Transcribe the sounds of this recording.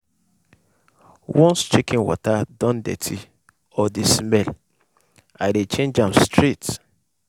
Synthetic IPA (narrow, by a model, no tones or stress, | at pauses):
wɔ̃nst͡ʃekĩnwɔ̰tadɔ̃ndɛ̰tʰi | ɔdismɛl | aɪdet͡ʃẽnd͡ʒãmstɹit